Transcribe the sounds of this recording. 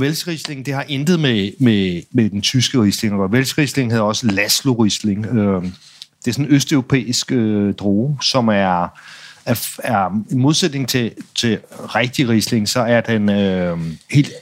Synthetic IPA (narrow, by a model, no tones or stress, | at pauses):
ʋelsd̥ʁisle̝ŋn̩d̥e̝hɑ̈ʔend̥ð̞̩ˠmememed̥ent͡sʰysɡ̥əʁisle̝ŋɡ̥ɒʋelsʁisle̝ŋheðˠɒ̽səlæslo̝ʁisle̝ŋø | d̥e̝æsɔ̽nøsd̥øʊʁo̝pʰḛːisɡ̥ød̥ʁoːsɒ̽mæɐ | æɐinmo̝ð̞ˠsed̥ne̝ŋt͡sʰe̝t͡sʰe̝ʁeɡ̥̚d̥iʁisle̝ŋsɒ̽æɐd̥enøhe̝̰ːld̥